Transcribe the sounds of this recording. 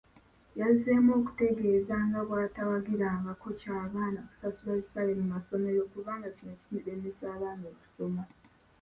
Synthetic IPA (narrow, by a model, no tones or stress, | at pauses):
jazemo̞ːku̥te̞ɡe̞ːzaːŋɡaβwaːtawaɡiɾaːŋɡako̞caːβaːnaku̥sasulajisalemumaso̞me̞ɾo̞kuβaːŋɡacino̞csinidemesaːβaːnoːku̥so̞ma